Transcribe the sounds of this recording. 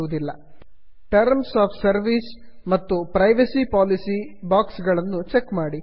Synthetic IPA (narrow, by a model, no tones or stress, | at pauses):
uʋud̪ilːɐ̰ | ʈɐɾmsaːpʰsɐɾʋis | mɐt̪ːupɾɐjʋɐsipaːlisibaːksɡɐɭɐnːut͡ʃekːmaːɽi